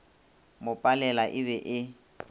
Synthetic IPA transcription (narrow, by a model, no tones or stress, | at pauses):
mʊpʼalɛlaʔɪβɛʔɪ